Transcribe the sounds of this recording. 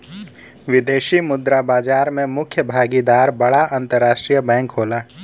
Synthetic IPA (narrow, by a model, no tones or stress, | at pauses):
ʋɪd̪eːʃimʊd̪ɾabaːd͡ʒaːɾmẽmʊkʰjəbʱaːɡid̪aːɾbɐɽaãːnt̪əɾːaːʃʈɾijəbɛ̃ːŋkɦoːlaː